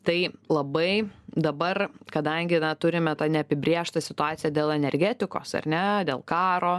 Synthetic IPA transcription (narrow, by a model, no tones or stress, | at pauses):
t̪ɐɪlˠɐbɐɪd̪ɐbɐrkɐd̪ɐŋʲɡʲɪnɐt̪ʊɾʲɪmʲɛt̪ɑnʲɛɐpʲɪbʲɾʲiɛʃt̪ɐsʲɪt̪ʊɑːt͡s̪ʲɪjɛd̪ʲeːlˠɛnʲɛɾʲɡʲæt̪ʲɪko̰ːsɐ̰rʲnʲɛd̪ʲeːlˠkɑːɾoː